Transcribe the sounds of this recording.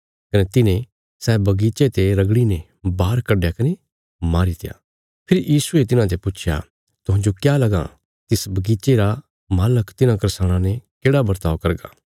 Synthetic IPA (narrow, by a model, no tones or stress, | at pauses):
kɐnet̪ɪnẽ | sɛːbɐɡiːt͡ʃet̪eɾɐɡɽine | baːɾkɐɖejakɐne | maːɾit̪ɪja̰ː | pʰɪɾjʔiːsuet̪ɪnãt̪epʊt͡ʃʰja̰ | t̪ʊɦãnd͡ʒokjalɐɡa̰ | t̪ɪsbɐɡiːt͡ʃeɾa | maːləkt̪ɪnãkɐɾsaːɽ̃ãnekeːɽabɐɾt̪aːʋkɐɾɡa̰ː